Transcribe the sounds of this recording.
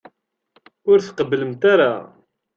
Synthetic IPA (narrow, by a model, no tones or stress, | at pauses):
ʊɾθqəbləmt̪aɾa̰